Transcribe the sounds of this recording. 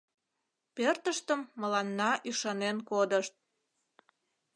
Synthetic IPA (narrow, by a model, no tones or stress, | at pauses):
pørt̪əʃt̪əmːəlɑnːɑʔyʃɑnenkod̪əʃt̪̚